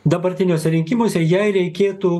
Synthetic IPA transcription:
d̪ɐbɐɾʲt̪ʲɪnʲoːsʲɛɾʲɪŋʲkʲɪmoːsʲɛjɛɪɾʲɛɪkʲeːt̪uː

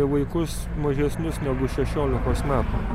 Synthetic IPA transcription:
ʋɐɪkʊs | mɐʒʲɛsʲnʲʊsnʲɛɡʊʃʲɛʃʲoːlʲɪkoːsmʲæːt̪u

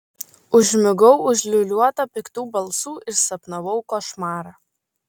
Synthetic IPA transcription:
ʊʒʲmʲɪɡɔʊʊʒʲlʲʊlʲuɔt̪ɐpʲɪkt̪uːbɐlˠˑsuːɪɾsɐpnɐʋɔʊkoʃmɑːɾɑː

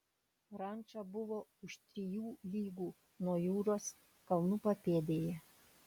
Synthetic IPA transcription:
ɾɐnʲˑt͡ʃɑbʊʋoːʊʃt̪ʲɾʲɪjuːlʲiːɡuː | nuɔjuːɾoːs | kɐlˠnupɐpʲeːd̪ʲeːjɛ

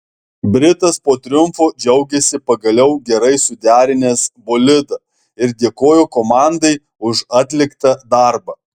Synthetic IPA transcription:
bʲɾʲɪt̪ɐspoːt̪ʲɾʲʊmfoːd͡ʒʲɛʊɡʲɛsʲɪpɐɡɐlʲɛʊɡʲɛɾɐɪsʊd̪ʲæːɾʲɪnʲeːsboːlʲɪd̪ɐ | ɪɾd̪ʲeːkoːjoːkoːmɑˑnd̪ɐɪ | ʊʃɑːt̪ʲlʲɪkt̪ɐd̪ɑˑɾbɐ

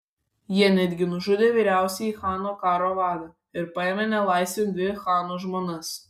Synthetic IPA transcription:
jiɛnʲæd̪ʲɡʲɪnʊʒʊd̪ʲeːʋʲiːɾʲæˑʊsʲɛixɑːnoːkɑːɾoːʋɑːd̪ɐ | ɪɾpɐemʲɛnʲɛlˠɐɪsʲʋʲenʲd̪ʲʋʲɪxɑːnoːʒmoːnɐs

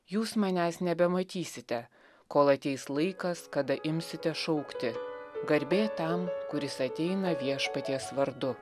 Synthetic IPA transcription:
juːsmɐnʲæːsnʲɛbʲɛmɐt̪ʲiːsʲɪt̪ʲɛ | koːlˠɐt̪ʲɛɪslˠɐɪkɐskɐd̪ɐʔɪmʲsʲɪt̪ʲɛʃɐʊkt̪ʲɪɡɐɾʲbʲeːt̪ɐmkʊɾʲɪsɐt̪ʲɛɪnɐʋʲiɛʃpɐt̪ʲiɛsʋɐɾd̪ʊ

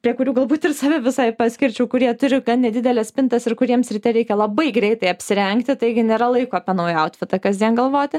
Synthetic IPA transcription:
pʲɾʲiɛkʊɾʲuːɡɐlˠbuːt̪ɪrsɑʋʲɛʋʲɪsɐɪpɑːsʲkʲɪɾʲt͡ʃʲuːkʊɾʲiɛt̪ʊɾʲɪɡɐnnʲɛd̪ʲɪd̪ʲɛlʲɛsʲpʲɪnt̪ɐsɪɾkʊɾʲiɛmsʲɾʲɪt̪ʲɛɾʲɛɪkʲɛlˠɐbɐɪɡɾʲɛɪt̪ɐɪɐpʲsʲɪɾʲɛŋkt̪ʲɪt̪ɐɪɡʲɪnʲeːɾɐlˠɐɪkoːɐpʲiɛnɐʊjɛɐʊt̪ʲfʲɪt̪ɐkɐzʲd̪ʲiɛnɡɐlˠʋoːt̪ʲɪ

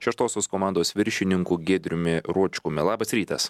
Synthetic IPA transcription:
ʃʲɛʃt̪oːsʲoːskoːmɑˑnd̪oːsʋʲɪɾʲʃʲɪnʲɪŋkuːɡʲeːd̪ʲɾʲʊmʲɪɾuɔt͡ʃʲkʊmʲɪlˠɑːbɐsɾʲiːt̪ɐs

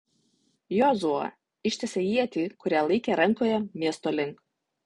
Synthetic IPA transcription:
jɔzuɐ̰ | ɪʃʲt̪ʲɛsʲejiɛt̪ʲikʊɾʲæːlˠɐɪkʲeɾɐŋkoːjɛmʲiɛst̪oːlʲɪŋk

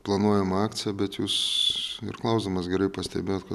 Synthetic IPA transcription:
plˠɐnuɔjɛmɑːkt͡s̪ʲɪjɛbʲɛt̪juːsɪ̰rklˠɐʊzd̪omɐsɡʲɛɾɐɪpɐsʲt̪ʲɛ̰bʲeːjoːt̪kɐ

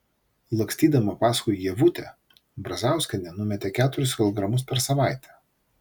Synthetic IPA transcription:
lˠɐksʲt̪ʲiːd̪ɐmɐpɑːskʊjjiɛʋʊt̪ʲɛ | bɾɐzʲɑˑʊsʲkʲɐnʲɛnʊmʲɛt̪ʲɛkʲæːt̪ʊɾʲʊskʲɪlˠɔɡɾɐmʊs̬pʲɛɾsɐʋɑˑɪt̪ʲɛ

